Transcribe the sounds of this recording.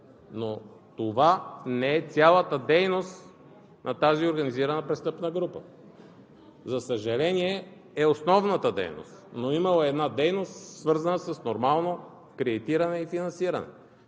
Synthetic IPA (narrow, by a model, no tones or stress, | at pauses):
no | t̪ovanɛɛt̪sʲjalˠət̪əd̪ɛjnost̪ | nʔɐt̪azioɾɡɐniziɾɐnəpɾɛst̪ɤpnəɡɾupə̰ | zɐsəʒɐlɛniɛ | ɛosnɔvnət̪əd̪ɛ̰jno̰st̪noimɐlˠəɛd̪nad̪ɛjnost̪svɤɾzɐnəsəsnoɾmalˠno | kɾɛd̪it̪iɾɐnɛifinɐnsiɾɐnɛ̰